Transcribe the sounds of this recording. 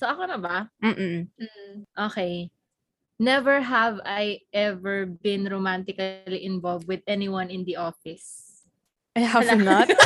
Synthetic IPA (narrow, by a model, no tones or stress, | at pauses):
soʔɐkonɐbɐm̩ːʔm̩m̩ʔoːkɛj | nɛvɛɹɦɐvajʔɛvɛɹbɪ̃nɹomant̪ɪkɐliʔɪ̃nvɔlvd̪̚wɪðɛniwɐ̃nɪ̃nd̪iʔofɪs | ɦalnat̪̚